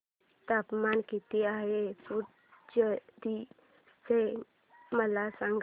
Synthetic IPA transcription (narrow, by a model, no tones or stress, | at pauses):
t̪apmankit̪iaɦepu | d͡ʒəd̪i | se | məlasəŋɡ